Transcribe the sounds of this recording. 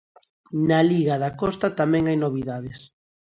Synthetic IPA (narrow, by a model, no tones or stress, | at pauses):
naliɣɐðakɔst̪at̪amɛ̃ŋajnoβiðaðɪs